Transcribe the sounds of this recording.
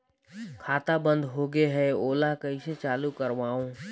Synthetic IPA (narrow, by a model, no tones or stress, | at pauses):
kʰaːt̪abə̃nd̪ɦoːɡeɦɛoːlaɦkɐiset͡ʃaːlukəɾʋaːõː